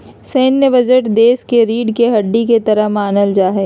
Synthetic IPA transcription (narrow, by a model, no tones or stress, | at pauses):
seːnːəbɐd͡ʒəʈd̪eːskeɾiːɖkeɦɐɖːiket̪ɐɾəɦmaːnəld͡ʒaːɦeː